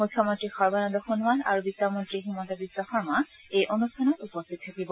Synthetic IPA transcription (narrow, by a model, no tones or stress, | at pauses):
mukʰːjɔmɔnt̪ɹixɔɹbanɔd̪ɔxonwala̰ɹubisamɔnt̪ɹiɦimɔt̪ɔbisaxɔɹmaejʔonustʰanɔtupɔst̪ʰit̪̚t̪ʰakibɔ